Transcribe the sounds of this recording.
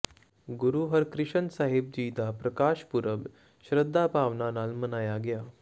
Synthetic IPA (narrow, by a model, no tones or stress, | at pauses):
ɡuɾuɦəɾkɾiɕənsaɦib̚d͡ʑiːd̪ʱapɾəkaɕpuɾəb | ɕɾəd̪ʱːapaʋnanalmənajaɡja